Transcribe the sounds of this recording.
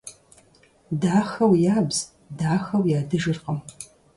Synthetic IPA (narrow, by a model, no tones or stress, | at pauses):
daːxɐwjaːbz̥ | daːxɐwjaːdɨʒɨrqəm